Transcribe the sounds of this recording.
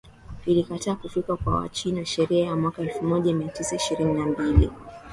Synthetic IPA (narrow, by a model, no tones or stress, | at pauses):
vilikataːkufikakwa̰wa̰t͡ʃinaʃɛɾiajamwakaɛlfumɔʄamiatisaiʃiɾininambilḭ